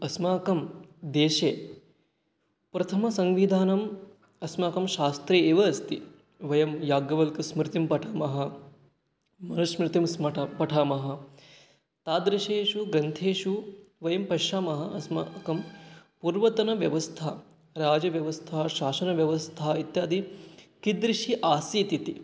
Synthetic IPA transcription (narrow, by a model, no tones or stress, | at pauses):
ɐsmaːkɐmd̪eːʃeː | pɾɐt̪ʰɐmɐsɐŋʋid̪ʱaːnɐm | ɐsmaːkɐmʃaːst̪ɾeːeːʋɐːst̪i | ʋɐjɐmjaːɡjɐʋɐlkɐsmɾɪt̪impɐʈʰaːmɐɦɐ | mɐnuʂmɾɪt̪imsmɐpɐʈʰaːmɐɦɐ̆ | t̪aːd̪ɾiʃeːʃuɡɾɐnt̪ʰeːʃuʋɐjɐmpɐʃaːmɐɦɐɐsma̰kɐmpuːɾʋɐt̪ɐnɐʋjɐʋɐst̪ʰa | ɾaːd͡ʒɐʋjɐʋɐst̪ʰaɦɐʃaːʃɐnɐʋjɐʋɐst̪ʰaɦɐit̪jaːd̪ikid̪ɾiʃiʔaːsiːt̪it̪i